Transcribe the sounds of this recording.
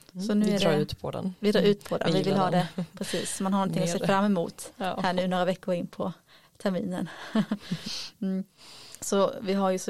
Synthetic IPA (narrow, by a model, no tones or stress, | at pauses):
sɔnʉ̟ɛɾʉːt̪pʰɔd̪̰nvɪd̪ɾɑːɾʉ̟ːt̪pʰɔd̪ɛ̰nʋɪvɪlhːd̪ɛpʰɾɛsḭːsːɔmanɦaɳɔnt̪ʰɪŋːɔseːfɾamːɛmṵːt̪hæːɳʉ̟ːnoːɾavɛkːʊɾɪnːpʰɔ | t̪ʰæɾmḭːnən | sɔvɪɦaɾjɵs